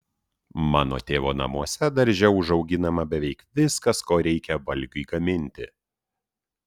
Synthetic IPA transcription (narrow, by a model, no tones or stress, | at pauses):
mɑːno̰t̪ʲeːʋoːnɐ̰muɔsʲɛd̪ɐɾʲʒʲɛʊʊʒɒʊɡʲɪnɐmɐbʲɛʋʲɛɪkʋʲɪskɐskoːɾʲɛɪkʲɛʋɐlʲɡʲʊɪɡɐmʲɪnʲt̪ʲɪ̰